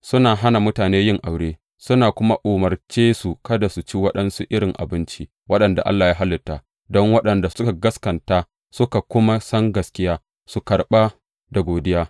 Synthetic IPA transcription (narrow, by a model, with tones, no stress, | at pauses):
sʊ˦naː˨ɦa˦na˨mʊ˦taː˨neː˦jɪ˦ŋʔa˨wɽeː˦ | sʊ˦naː˨kʷʊ˦ma˦ʔoː˨mɐ˨rt͡ʃeː˦su˨kɐ˦da˨su˨t͡ʃi˦wɐ˦ɗɐ˦nsu˦ʔɪ˦ɾɪ˨ŋʔa̰˨bɪ˦nt͡ʃi˦ | wɐ˦ɗɐ˨nda̰˨ʔa̰˦lːaː˨jaː˦ɦa˦lːɪ˨tːaː˨ | dɔ˦ŋwɐ˦ɗɐ˨nda˨sʊ˦ka˨ɡɐ˦skɐ˨ntaː˦ | sʊ˦ka˨kʷʊ˦ma˦sɐ˦ŋɡɐ˨skʲɪ˦jaː˦ | su˨kɐ˨ɽɓa˦ | da˨ɡʷoː˨dɪ˦jaː˦